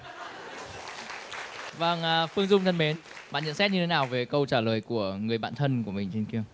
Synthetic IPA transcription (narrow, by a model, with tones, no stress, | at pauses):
vəː˨˩ŋʔfɨ˧əŋzʊ˧ŋ͡mt̪ʰə˧nɓe˨˦n | ɓa̰ː˧˨nɲə̰˧˥˨nsɛ˦˥t̚ɲɨ˧tʰe˨˦naː˨˩wve˨˩kə˧wt͡ɕaː˧˩ləː˨˩jku˧˩əŋɨ˨˩əjɓa̰ː˧˨nt̪ʰə˧nku˧˩əmï˨˩ŋ̟t͡ɕe˧nki˧əŋ